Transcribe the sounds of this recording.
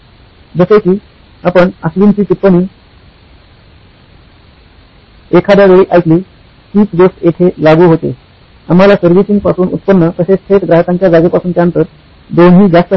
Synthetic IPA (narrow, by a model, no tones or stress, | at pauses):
d͡zəsekiː | apəɳəsʋiːnt͡ɕiːt̪ipːəɳiː | ekʰad̪jaʋeɭiːʔajk̪liː | kiːt͡sɡosʈjeʈ̪ʰelaɡuːɦot̪ḛ | am̤alasəɾʋisiŋɡ̚pasuːnut̪̚pənːət̪əsesʈ̪ʰet̪ɡɾaɦəkãɲt͡ɕjad͡zaɡəpasuːnt͡ɕjaənt̪əɾ | d̪onɦiːd͡ʑasp̪ə